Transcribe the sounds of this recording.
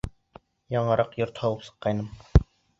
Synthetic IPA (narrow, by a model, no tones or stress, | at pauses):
jɑɴɤ̆ɾɑqjŏɾt̪hɑlˠɤpsɤ̥̆qːɑjnɤm